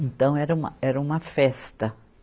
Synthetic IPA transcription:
ẽnt̪ɐ̃w̃ɛɾɐũmɐ̰ɛɾɐũmɐfɛst̪ɐ

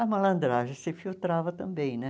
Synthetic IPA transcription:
ɐmɐlɐ̃nd̪ɾaʒɐsɪfilt̪ɾavɐt̪ɐ̃mbẽj̃nɛ

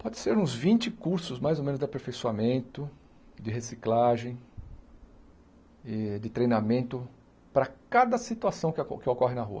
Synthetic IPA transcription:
pɔd̪ɪseɾũzvĩnt͡ʃɪkuɾsʊzmajzomẽnʊzd̪ɪapeɾfejsuamẽnt̪ʊ | d̪ɪɦesiklaʒẽj̃ | ɪd̪ɪt̪ɾejnamẽnt̪ʊ | pɾɐkad̪ɐsit̪uasɐ̃w̃kkɪokɔɦɪnɐɦṵɐ̰

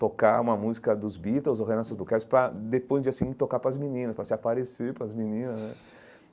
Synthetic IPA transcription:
t̪okaũmɐmuzikɐd̪ʊzbit̪ewzoɦẽnãsɐzbukaɾɪspɾɐd̪epojzd͡ʒɪasĩt̪okapɾɐzminĩnɐspɾɐsɪapaɾeseɾpɾɐzmĩnĩnɐsnɛ

